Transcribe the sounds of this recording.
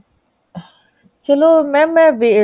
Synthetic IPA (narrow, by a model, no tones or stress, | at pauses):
t͡ʃɐlomɛ̃mɛ̃ʋe